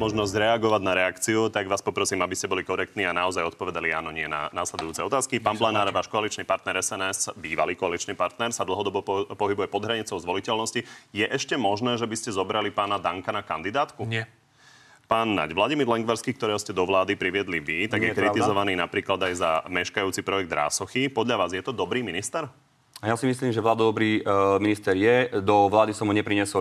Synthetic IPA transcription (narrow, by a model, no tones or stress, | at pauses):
mɔʒnɔzɟɾɛaɡɔʋaɟnaɾɛakt͡siut̪aɡʋaːspɔpɾɔsiːmabiscɛbɔlikɔɾɛkt̪niːanaɔzajɔt̪pɔʋɛd̪aliaːnɔɲɪɛna̰naslɛd̪ujuːt͡sɛɔt̪aːskipaːnblanaːɾʋaːʃkɔalit͡ʃniːpaɾt̪nɛɾɛsɛnɛsbiːʋaliːkɔalit͡ʃniːpaɾt̪nɛɾsad̪l̩ˠɦɔd̪ɔbɔpɔɦibujɛpɔd̪ɦɾaɲit͡sɔʊzʋɔlicɛlnɔscijɛʔɛʃcɛmɔʒnɛːʒɛbiscɛzɔbɾalipaːnad̪aŋkanakand̪id̪aːt̪ku | paːnːa̰ɟʋlaɟimiːɾlɛŋɡʋaɾskiːkt̪ɔɾɛːɦɔscɛd̪ɔʋlaːd̪ipɾiʋɪɛd̪liʋit̪aɡjɛkɾit̪izɔʋaniːnapɾiːklad̪ajzamɛʃkajuːt͡sipɾɔjɛɡ̚d̪ɾa̰ːsɔxipɔd̪ʎaʋaːzjɛt̪ɔd̪ɔbɾiːminist̪ɛɾ | ajasimisliːmʒɛʋlaːd̪ad̪ɔbɾiːminist̪ɛɾjɛd̪ɔʋlaːd̪isɔmɦuɲɛpɾiɲɛsɔ